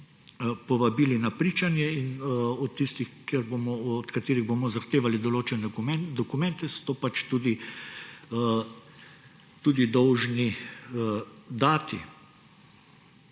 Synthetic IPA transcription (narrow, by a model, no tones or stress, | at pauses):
pɔʋabiːlinapɾiːt͡ʃanjɛinɔt̪ːist̪ixkjɛɾbomɔːt̪kat̪eːɾiɣbomɔzaxt̪eːʋalid̪ɔloːt͡ʃɛnɛɛd̪ɔkumɛnt̪ɛsɔ̥t̪oːpat͡ʃt̪ud̪i | t̪uːd̪id̪ɔwʒni | d̪aːt̪ḭ